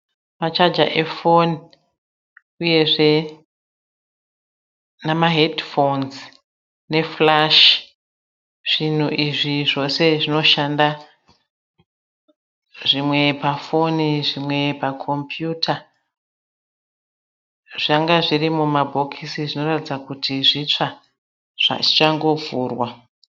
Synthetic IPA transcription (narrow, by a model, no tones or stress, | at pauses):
mat͡ʃad͡ʒa̰ʔe̞fo̞ni | uje̞ʐe̞ | namaɦe̞dfonz | ne̞flaʃ | ʐ̥in̤uʔiʐiʐo̞se̞ʐino̞ʃanda | ʐimwe̞pafo̞niʐimwe̞pakʰo̞mpʰjutʰa | ʐ̥aŋɡaʐirimumabʱo̞kʰisiʐino̞ratid͡zakutʰiʐit͡ʂa | ʐa̰ʐit͡ʃaŋɡo̞vuːrwa